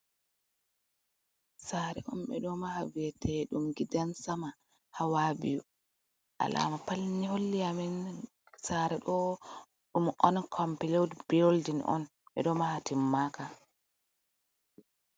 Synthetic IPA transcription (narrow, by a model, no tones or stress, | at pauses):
saɾɛ̰ʔɔmɓɛ̰ɗɔmahaviɛtʰɛɗumɡidansama | hawabḭju | ʔa̰la̰mapalniɦolːiamɛn | saɾɛɗɔ | ɗumʔɔnkʰɔmpɛlewdb̥iɾoldinʔɔ̰n | ɓɛ̰ɗɔmahatimːaka